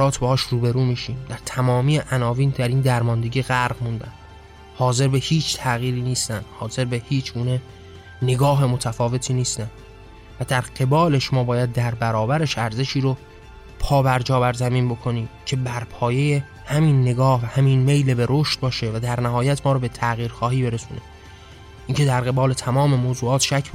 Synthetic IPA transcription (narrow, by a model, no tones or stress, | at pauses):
ɾɒːt̪ʰbehɒːʃruːbe̞ɾuːmiːʃiːmd̪æɾt̪ʰæmɒːmiːeʔænɒːviːnd̪æɾiːnd̪æɾmɒːnd̪e̞ɟiɣæɾɣmund̪æ̰n | hɒːze̞ɾbe̞hiːt͡ʃʰt̪ʰæɣiːɾiːniːst̪ænd̪̥hɒːze̞ɾbehiːt͡ʃʰɡuːne̞ | ne̞ɡɒːɦe̞mo̞t̪ʰæfɒːve̞t̪ʰiːniːst̪ænd̪̥ | væd̪æɾɢe̞bɒːle̞ʃmɒːbɒːjæd̪̚ːæɾbæɾɒːbæɾe̞ʃæɾze̞ʃiːɾo | pʰɒːbæɾd͡ʒɒːbæɾzæmiːnbo̞kʰo̞niːcʰe̞bæɾpʰɒːje̞je | hæminːeɡɒːhvæhæminme̞jlebeɾoːʃt̪̚bɒːʃe̞væd̪æɾnæɦɒːjæt̪ʰmɒːɾɔbe̞t̪ʰæɣiːɾxɒːɦiːbe̞ɾesṵːne | ʔiːŋcʰe̞d̪æɾɣe̞bɒːle̞t̪ʰæmɒːme̞moːzuːɒːt̪ʃæcʰː